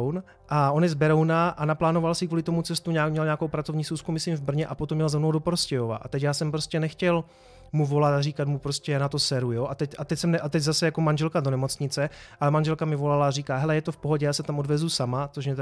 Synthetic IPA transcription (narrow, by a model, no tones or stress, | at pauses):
wn | ʔao̞njɛzbɛɾo̞wnaʔanaplaːno̞valsɪkvuːlɪt̪o̞mut͡sɛst̪uɲaːmɲɛlɲaːko̞wpɾat͡sovɲiːsuwskumɪsimvbr̩ɲɛʔapo̞t̪omɲɛlzɛmnowdo̞poɾscɛjova̰ʔa̰t̪ɛcjaːsɛmpɾoscɛnɛxcɛl | muvo̞lat̪ariːkat̪mupɾoscɛnat̪osɛɾujoːʔat̪ɛcʔat̪ɛcsɛmnɛʔat̪ɛɟzasɛjako̞manʒɛlkado̞nɛmo̞t͡sɲɪt͡sɛʔalɛmanʒɛlkamɪvo̞lalaːriːkaːɦɛlɛjɛt̪o̞fpo̞ɦo̞ɟɛjaːsɛt̪amʔo̞dvɛzusamat͡soʃmɲɛt̪